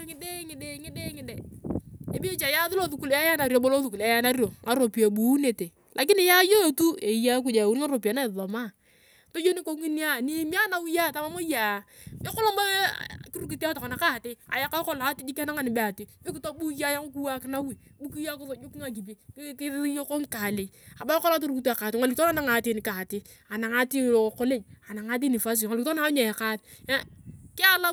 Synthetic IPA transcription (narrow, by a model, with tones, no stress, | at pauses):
ŋɪ˦de˦ŋɪ˨de˦ŋɪ˦de˦ŋɪ˨de˨e˨bi˦t͡ʃa˨ja˦ðʊ˦lo˦ðu˨ku˨la˦ja˦na˨ɾjo˨bo˦lo˦ðu˨ku˨la˦ja˦na˦ɾjo˨ŋa˦ɾo˨pi˨a˨bu˨˦ne˨te˨ | lʔa˨k̬ɪ˦nɪ˨ja˦jo˦˨tu˦e˨ja˦k̬u˦d͡ʒa˨wu˦n˦a˦ɾo˨pi˨a˨na˦ɪ˨ðɔ˨ma˦ | to˦d͡ʒo˦ni˦ko˨˦ŋi˦ni˦a˦˨ni˦mi˦a˦na˨wu˦ja˦˨ta˦ma˦mo˦jaː˨ɪ˦kʊ˦lo˦ma˦ki˦ɾu˦ki˨ta˦tɔ˨kɔ˨na˨ka˦˨te˦a̰˨ja˨˦ka˦kɔ˦la˨˦ti˦d͡ʒi˦ka˦na˦ŋa˨ni˨be˦a˨ti˨i˦ki˨to˦bu˦ja˦ja˦ku˦ku˦wa˦kɪ˦na˦wi˨bu˦ki˦ja˦kɔ˦so˨d͡ʒo˦ki˦ŋa˨k̬i˨b̬i˨˦ki˦jo˦ko˦ŋ˦ka˨le˨ | a˨ba˦kɔ˦la˦t̬o˦ɾu˦ku˦tu˦a˨ka˨tŋa˨li˨˦to˦na˦na˨ŋa˨ti˦ni˨ka˨tɪ˦ | a˨na˨ŋa˦ti˦˨o˨ko˦le˦a˨na˨ŋa˦t̬i˦ni˨fa˦s̬ŋa˨li˨˦tna˦ɲa˨ja˨ka˦t | kɪ˦a˦la˦